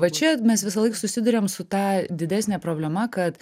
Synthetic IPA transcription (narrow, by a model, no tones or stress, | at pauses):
ʋɐt͡ʃʲɛmʲɛsʋʲɪs̬ɐlˠɐɪksʊsʲɪd̪ʊɾʲeːmsʊt̪ɑːd̪ʲɪd̪ʲæːsʲnʲɛːpɾoːbʲlʲɛmɐkɐt̪